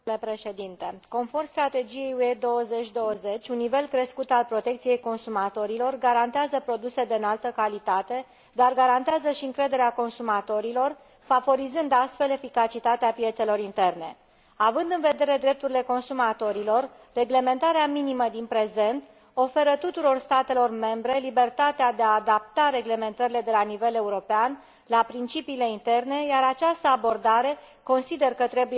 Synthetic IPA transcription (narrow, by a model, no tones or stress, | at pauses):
lepɾe̞ʃe̞d̪int̪eko̞nfo̞rmst̪ɾat̪e̞d͡ʒije̞jued̪o̞wəze̞t͡ʃʲd̪o̞wəze̞t͡ʃʲunːive̞lkɾe̞skut̪alpɾo̞t̪e̞kt̪sije̞jko̞nsumat̪o̞ɾilo̞rɡaɾant̪eazəpɾo̞d̪use̞d̪eɨnalt̪əkalit̪at̪e̞ | d̪arɡaɾant̪eazəʃiɨŋkɾe̞d̪e̞ɾeako̞nsumat̪o̞ɾilo̞r | favo̞ɾizɨnd̪ast̪fe̞le̞fikat͡ʃit̪at̪eapije̞t̪se̞lo̞ɾint̪e̞rne̞̰ | avɨnd̪ɨnve̞d̪e̞ɾe̞d̪ɾe̞p̚t̪uɾile̞ko̞nsumat̪o̞ɾilo̞r | re̞ɡle̞me̞nt̪aɾeaminiməd̪inpɾe̞ze̞nt̪ | o̞fe̞ɾət̪ut̪uɾo̞rst̪at̪e̞lo̞rme̞mbɾe̞libe̞rt̪at̪ead̪eaːd̪ap̚t̪aɾe̞ɡle̞me̞nt̪əɾile̞d̪e̞lanive̞le̞uɾo̞pean | lapɾint͡ʃipiːle̞int̪e̞rne̞jaɾat͡ʃast̪əabo̞rd̪aɾe̞ | ko̞nsid̪e̞rkət̪ɾe̞buj